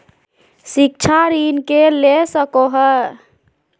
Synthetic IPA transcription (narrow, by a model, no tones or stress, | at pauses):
sik̚t͡ʃʰaɾinkelesəkoɦə